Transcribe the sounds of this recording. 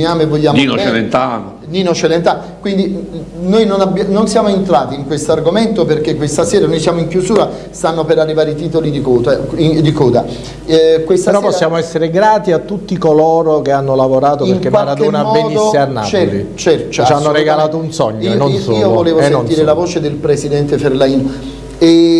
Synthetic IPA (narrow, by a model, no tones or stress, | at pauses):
iaːmevoʎːaːmninot͡ʃed̪ent̪ano | ninot͡ʃed̪ent̪an | kwind̪inojnonabːjanonsjaːmoent̪ɾaːt̪iiŋkwest̪oarɡoment̪operkekːwest̪asɛːɾanojsjaːmoiŋkjuzuːɾa | st̪anːopeɾarːivaːɾit̪iːt̪olid̪ikoːaid̪ikɔːd̪a | kwest̪eɾɔppːɔsːjaːmoɛsːeɾeɡɾaːt̪iat̪ːut̪ːikoloːɾok̟eanːolavoɾaːt̪opieŋkːemwaalɾad̪oːnaambeːnid̪osːianːa̰lḭt͡ʃɛɾt͡ʃanːoɾeɡalaːt̪ounsɔɲːɛnːonsoiːovoleːvosnːont̪iːɾelavoːt͡ʃed̪elpɾesid̪ɛnt̪eferlaiːno | e